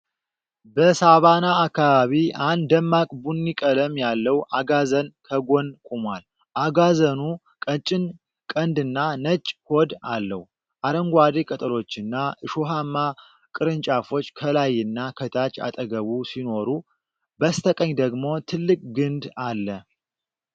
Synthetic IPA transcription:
bəsaβanaːkːaβaβiand̪d̪əmːakʼbunːikʼələmjalːəwʔaɡazənkʰəɡo̞nkʼumwal | ʔaɡazənu | kʼət͡ʃʼɪn | kʼənd̪ɨnːanət͡ʃʼːhod̪alːəw | ʔaɾəŋɡʷad̪ekʼət̪ʼəlo̞t͡ʃːɨnːaʔɨʃoɦamːa | kʼɨɾɨnt͡ʃʼafo̞t͡ʃːkʰəlajːɨnːakʰət̪ʰat͡ʃʼa̰t̪ʼəɡəβusino̞ɾu | bəst̪ʰəkʼəɲːd̪əɡmo̞t̪ʰɨlːɨkʼɡɨnd̪alːə

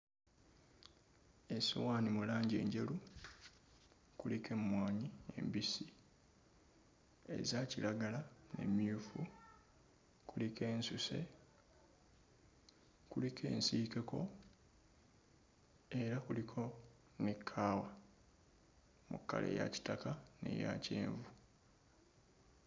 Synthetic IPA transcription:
e̞sḭwaːnimulaːɲɟe̞̰ːɲɟe̞lu | kulikʰe̞mwaːɲie̞̰mbisi | e̞̰zacilaɡalane̞̰mjuːfu | kulike̞ːnsuse̞̰ | kulikʰe̞̰ːnsiːke̞ko̞ | e̞ɾakulikʰo̞ | nekʰːaːwa | mukːa̰lḛja̰ci̥takane̞̰ja̰ceːɱvu

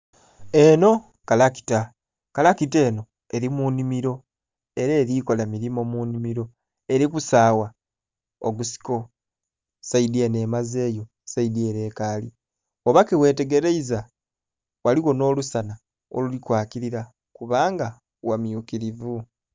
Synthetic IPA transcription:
e̞no̞ | kalaki̥ta | kalakite̞ːno̞ | e̞ɾimunimiɾo̞ | e̞ɾeːɾiko̞lamiɾimo̞munimiɾo̞ | e̞ɾikusaːwa | oɡusi̥ko̞ | saidie̞ne̞ːmaze̞ːjo̞ | saidie̞ːɾe̞ːkaːli | oβakewe̞ːte̞ɡe̞ɾeiza | wʔaliwo̞no̞ːlusana | o̰lulikwaːkiɾiɾa | kuβaːŋɡa | wamjukiɾivu

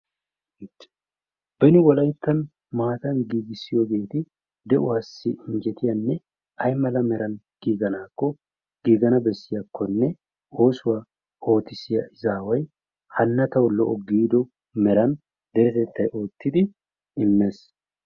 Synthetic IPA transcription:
tː | b̥ɛnɪwɔlɐjt̪ːɐn | maːt̪ɐnɡiːɡɪsːɪjɔɡe̞ːt̪ɪ | d̪ɛʔʊwaːsːɪʔɪnd͡ʒɛt̪ɪjɐnːɛ | ɐjmɐlɐmɛɾɐn | ɡ̥iːɡɐnaːkːɔ | ɡ̥iːɡɐnɐbɛsːɪjɐkʰːɔnːɛ | o̞ːsʊwaː | o̞ːt̪ɪsɪjɐʔɪzaːwɐj | hɐnːɐt̪ɐwlɔʔɔɡiːd̪ɔ | mɛɾɐn | d̪ɛɾɛt̪ɛt̪ːɐjo̞ːt̪ːɪd̪ɪ | ɪmːeːs

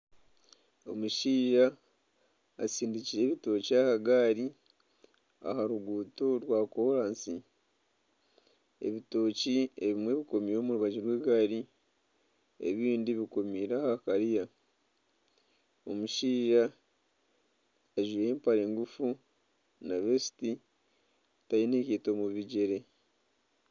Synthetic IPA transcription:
o̞muʃiːʒa | siːndiciɾe̞ːβito̞ːciahaɡaːɾi | a̰haɾuɡuːto̞ɾwaːkoɾaːnsi | e̞̰βito̞ːcie̞βimwe̞ːβiko̞miɾo̞ːmuɾuβaɟiɾwe̞ːɡaɾi | e̞̰βiːndiβiko̞miːɾahakaɾija | o̞muʃiːʒa | aʒuje̞ːmpaɾe̞ːŋɡufu | naβesi̥ti | tajinekeːto̞muβiɟeɾe̞

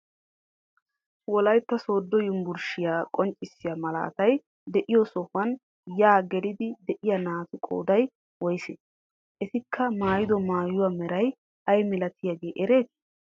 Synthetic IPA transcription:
wɔlɐjt̪ːɐso̞ːd̪ːɔjʊmbʊɾʃɪjaːkʼɔnt͡ʃʼːɪsːɪjaːmɐlɐ̰ʔɐ̰t̪ɐj | d̪ɛʔɪjɔsɔhɐn | jaːɡɛlɪd̪ɪd̪ɛʔɪjɐnaːt̪ɪkʼo̰ːd̪ɐj | wɔjse | ʔɛt̪ɪkʰːɐmaːjɪd̪ɔmaːjʊwaːmɛɾɐj | ʔɐjmɪlɐt̪ɪjaɡe̞ːʔɛɾe̞ːt̪

